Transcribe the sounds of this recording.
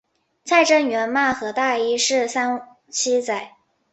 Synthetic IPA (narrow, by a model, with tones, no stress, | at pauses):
t͡sʰa˥˩ɪʈ͡ʂə˥nɥɛ˧˥nma˥˩xɤ˧˥t̪a˥˩i˥ʂɻ̩˥˩sa˥n | t͡ɕʰi˥t͡sa˨˩ɪ